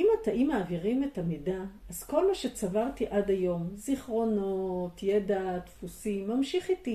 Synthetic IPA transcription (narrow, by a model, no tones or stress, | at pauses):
imataʔimaːviʁimetamidaːz̥ko̞lmaʃet͡savaʁt̪iʔadajo̞mziχʁo̞no̞tjedat̪fusimːamʃiχiti